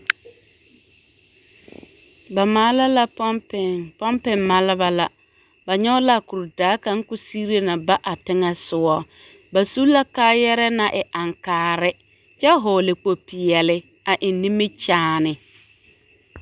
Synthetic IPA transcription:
ba˨ma˦la˦la˨ppɛ˨pɔ˦mpɪ˨mːa˨lɪ˦ba˦la˨ | ba˨ɲɔ˦ʊ˦la˨ku˨ɾdaː˨˦ka˦ŋ˦kʊ˦si˦ɾe˦na˨ba˦ʔa˨tɪ˦ŋɛ˦sʊ˨wɔ˦ | ba˨su˦la˦kaː˦jɛ˦ɾɛ˦na˨ʔɪ˨ʔa˨ŋkaː˨ɾɪ˦ | t͡ʃɛ˦ɦoː˨lɪ˨k͡po˨pi˨ɛ˨lɪ˦ | a˨ʔɪ˨nːi˦mɪ˦t͡ʃaː˦nɪ˨

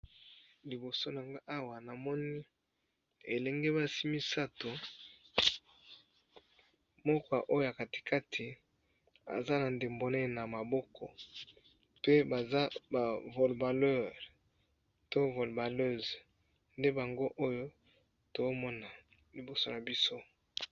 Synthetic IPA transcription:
li˨bo˨so˦n˨ŋɡa˦ʔa˦wa˨na˨mɔ˦ni˦ | e˨lɛ˨ŋɡe˦ba˦si˦mi˦sa˦to˨ | mɔ˦kɔ˨a˨ʔo˦jo˦ja˨ka˨ti̥˨kʰa˦tʰi˨ | a̰˨za˦na˨nde˨mbo˨ne˦˨na˨ma˨bɔ˦kʰɔ˨ | pe˦ba˨za˦ba˨vo˨lba˨lɛ˦˨ʁ | to˦vo˨lba˨lø˦˨z | nde˦ba˨ŋɡo˦ʔo˦jo˦ | to˨zo˦mɔ˦na˨ | li˨bo˨so˦na˨bi˦so˦

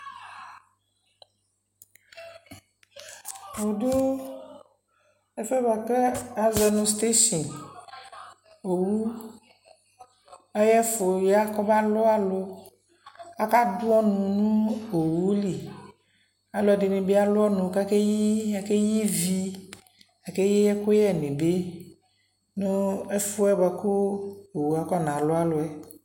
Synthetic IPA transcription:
o˨do˦ | e˦fɛ˦ba˨ke˦a˨zɛ˨nũ˨st̪e˦ʃi˨n | o˨wu˦ | ɛ˦jɛ˦fo˨ja˦kɔ˦ba˦lɔ˦a˨lo˦ | a˦ka˦dʊ˦ɔ˦nũ˨nũ˦o˨wu˦li˨ | a˨lʊ˦ɛ˨di˨nẽ˨be˦a˦lʊ˦ɔ˦nũ˨ka˦ke˦jii˦a˨ke˦ji˦vi˦ | a˨ke˦je˦ɛ˦ko˦jɛ˦˨nẽ˨be˦ | nũ˦ɛ˦fʊ˦ɛ˦ba˨ko˦o˨wu˦a˨kɔ˦˨nã˨lʊ˦a˦lʊ˨ɛ˨

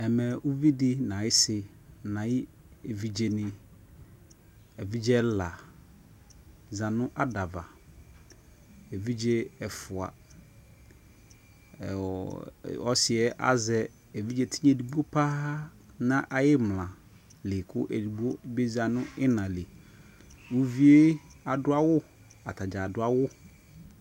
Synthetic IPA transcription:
ɛ˨mɛ̃˨ʊ˦vi˦dɪ˦nã˨jɪ˦sɪ˦ | nã˨jɪ˦ | e˨vi˨d͡ʒe˨nɪ̃˨ | ɛ˨vi˦d͡ʒɛ˦la˨ | zã˨nʊ̃˦ʔa˦da˨va˨ | e˨vi˦d͡ʒe˦ɛ˨fʊ˨a̰˨ | ɔ˦sɪ˨ɛ˦ʔa̰˦zɛ˨ | ɛ˨vi˦d͡ʒɛ˨tʰi˦ɲɛ˨di˨bu˦o˦pʰa˦ | nã˦ʔa˨jɪ˦mlã˨ | lɪ˨kʰʊ˦ʔɛ˨dbo˦be˦za˨nʊ̃˦ɪ˦nã˨lɪ˨ | wu˦vi˦e˦a˨dʊ˦a˦wʊ˦ | a˨tʰa˨d͡ʒa˨dʊ˦a˦wʊ˦

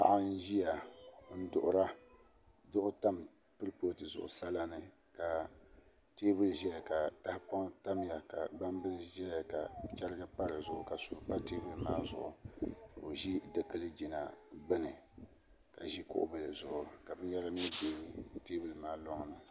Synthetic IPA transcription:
a̰˨ʔa˦n̩˦ʒi˦ja˨n̩˦dʊ̰˨ʔʊ˦ɾa˦ | dʊ˦ʔʊ˦ta˦m | pɨ˦ɾpo˦˨tɨ˨zʊ̰˨ʔʊ̰˨sa˦la˦nɨ˦ | ka˨ | teː˦bɨ˦lɨ˨ʒɛ˦ja˨ka˨ta˦hɪ˦pɔ˦ŋ˦ta˦m˨ja˨ka˨ɡ͡ba˦m˦bɨ˦lɨ˨ʒɛ˦a˨ka̰˨t͡ʃɛ˦ɾɪ˦ɡɨ˦pa˦ɾɨ˨zʊ˨ʔʊ̰˨ka˨suː˨ɾpa˦teː˦bɨ˦lɨ˨maː˦zʊ̰˨ʔʊ̰˨o˨ʒi˦dɨ˨kɨ˦lɨ˦d͡ʒi˨na˨bɨ˦nɨ˨ | ka˨ʒi˦kʊ̰˦ʔʊ̰˦bɨ˨lɨ˨zʊ̰˨ʔʊ˨ka˨bɨ˦n˦jɛ˦ɾa˦m˦i˦beː˦ɾteː˦bɨ˦lɨ˨maː˦lɔ˦ŋ˨nɨ˨

